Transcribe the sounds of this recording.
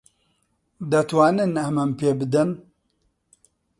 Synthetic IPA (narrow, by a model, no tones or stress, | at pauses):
d̪ɐt̪waːnɨnɐmɐmpeːbɨd̪ɨn